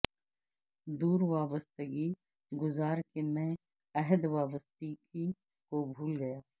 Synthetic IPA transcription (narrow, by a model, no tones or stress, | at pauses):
d̪uːɾʋaːbəst̪əɡi | ɡʊzaːɾkemẽ | ɐɦəd̪ʋaːbəst̪iki | kobʱuːlɡɐjaː